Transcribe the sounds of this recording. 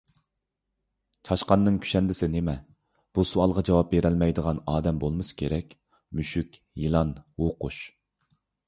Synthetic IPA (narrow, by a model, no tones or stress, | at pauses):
t͡ʃʰɑʃqɑnːɨŋkʲʰy̥ʃɛnd̪ɪsɪnemɛ | b̥usuɑlˠʁɑd͡ʒɑwɑp̚beɾɛlmɛjd̪əʁɑnɑːd̪ɛmbolˠmɨsɨ̥kʲʰeɾɛkʲ | myʃykʲ | jilˠɑnwoqʊʃ